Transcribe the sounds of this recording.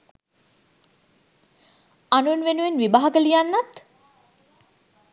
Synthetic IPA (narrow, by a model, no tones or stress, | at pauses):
anunʋenuʋenʋibaɦaɡəlijanːat̪